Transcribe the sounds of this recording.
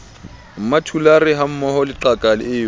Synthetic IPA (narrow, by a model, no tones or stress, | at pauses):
m̩matʰularɪɦam̩mɔɦɔlɪǃakʼalɪ̰ɪː